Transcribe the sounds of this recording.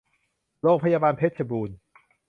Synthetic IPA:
loː˥˩k̚pʰa˧jaː˧baː˧npʰe˦˥t̪̚sʰa˧buː˧n

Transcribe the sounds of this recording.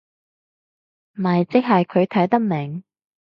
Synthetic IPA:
m̩˨ɐ˨jt͡sɪ˥k̚ɦɐ˨jkʰɵ˨˧ɥt̪ʰɐ˨˥jt̪ɐ˥k̚mɪ˨˩ŋ

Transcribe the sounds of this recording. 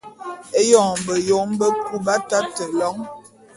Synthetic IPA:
e˦jɔ˨ŋbə˨jo˨˦m˦bə˦ku˦ba˦ta˦tə˨lɔ˨˦ŋ

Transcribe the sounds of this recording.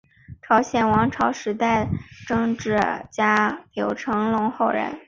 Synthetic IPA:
ʈ͡ʂʰɑ˧˥ʊɕjɛ˨˩nwɑ˧˥ŋʈ͡ʂʰɑ˧˥ʊʂɻ̩˧˥t̪a˥˩ɪʈ͡ʂɤ˥ŋʈ͡ʂɻ̩˥˩t͡ɕja˥ljo˨˩ʊʈ͡ʂʰɤ˧˥ŋlʊ˧˥ŋxo˥˩ʊɻə̰˧˥n

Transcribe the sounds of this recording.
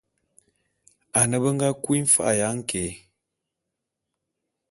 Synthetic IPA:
a˨nə˨bə˦ŋ˦ɡa˦kwi˦ɱ̩˦fa̰˦ʔja˨˦ŋ̩˦ke˨˦

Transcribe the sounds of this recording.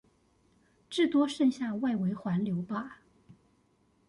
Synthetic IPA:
ʈ͡ʂɻ̩˥˩t̪wɔ˥ʂə˥˧ŋɕja˥˧wa˥˩ɪwe˧˥ɪxwa˧˥nljo˧˥ʊpa˥˩

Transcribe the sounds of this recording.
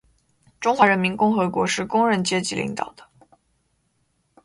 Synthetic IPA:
ʈ͡ʂʊ˥ŋxwa˧˥ɻə˧˥nmi˧˥nkʊ˥ŋxɤ˧˥kwɔ˧˥ʂɻ̩˥˩kʊ˥ŋɻə˧˥nt͡ɕjɛ˥t͡ɕi˧˥lḭ˧˥ŋt̪ɑ̰˨˩ʊd̪ə̥˦

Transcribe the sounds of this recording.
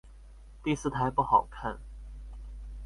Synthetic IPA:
t̪i˥˧sɹ̩˥˩t̪ʰa˧˥ɪpu˥˩xɑ˨˩ʊkʰa˥˩n

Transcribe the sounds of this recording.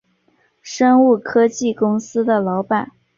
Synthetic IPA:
ʂɤ˥ŋu˥˩kʰɤ˥t͡ɕi˥˩kʊ˥ŋsɹ̩˥d̪ə˨lɑ˧˥ʊpa˥˩n

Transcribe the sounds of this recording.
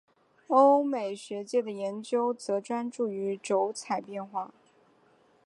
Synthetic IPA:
o˥ʊme˨˩ɪʂɛ˧˥t͡ɕjɛ˥˩d̪ə˩jɛ˧˥nt͡ɕjo˥ʊt͡sɤ˧˥ʈ͡ʂwa˥nʈ͡ʂu˥˩y˧˥ʈ͡ʂo˧˥ʊt͡sʰa˨˩ɪpjɛ˥˧nxwa˥˩

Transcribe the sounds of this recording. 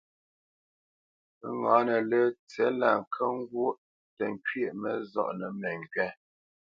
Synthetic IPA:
ə˦ŋãː˨˦nə˨lə˦t͡sɛ˨˦la˨ŋ˨kʰə˦ŋ̩˦ɡwo˦ʔ | tə˨ŋ˨kɥe˦˨ʔmə̰˨zɔ̰˦˨ʔnə˨mɛ˨ŋ˨kɛ˦

